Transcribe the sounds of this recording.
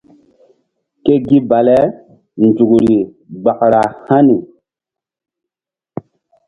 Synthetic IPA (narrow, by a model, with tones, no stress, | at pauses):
ke˦ɡi˦ba˨lɛ˦ | nd͡zu˨kɾi˨ | ɡ͡ba˨kɾa˨ha˦ni˨